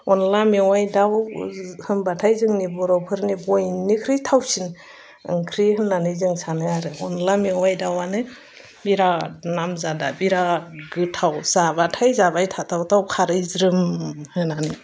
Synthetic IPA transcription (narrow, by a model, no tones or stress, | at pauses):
ɔnlamewajdawhɯmbatʰajzɯŋnibɔɾɔpʰɯɾnibɔjnikʰɾɯjtʰawsin | ɯ̰ŋkʰɾihɯnːanɯjzɯŋsanɯaɾɯɔnlamewajdawanɯ | biɾanamzada̰biɾaɡɯtʰawz̥abatʰajzabajtʰatʰawtʰawkʰaɾɯjzɾɯmhɯnanɯ